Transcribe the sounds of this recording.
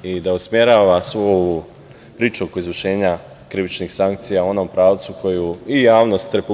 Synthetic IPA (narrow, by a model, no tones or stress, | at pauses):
id̪ausmje̞ɾaːʋasʋou | pɾiːt͡ʃuokizʋəʃe̞ːɲa | kɾiʋit͡ʃnixsaŋk̚t̪sijao̞nompɾaːʋt̪sukʰo̞juijaːʋno̞st̪ɾe̞pu